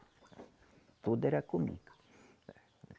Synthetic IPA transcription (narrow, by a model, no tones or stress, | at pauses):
t̪ud̪eɾakumḭkḁ